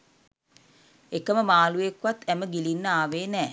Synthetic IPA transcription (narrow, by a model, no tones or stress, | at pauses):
ekəməmaːlujekʋat̪æməɡilinːəaːʋeːnɛː